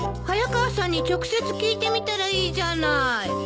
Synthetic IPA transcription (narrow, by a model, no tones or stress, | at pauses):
hajakaasãɲ̟ːit͡ɕo̞kɯ̟̥se̞t͡sɨ̥kʲiːt̪e̞mʲit̪aɾaiːʑanai